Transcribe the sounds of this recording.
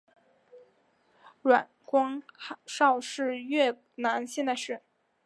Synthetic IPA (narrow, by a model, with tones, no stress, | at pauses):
ɻwa˨˩nkwɑ˥ŋʂɑ˥˧ʊʂɻ̩˥˧ɥɛ˥˩ | na˧˥nɕjɛ˥˧na˥˧ɪʂɻ̩˥˩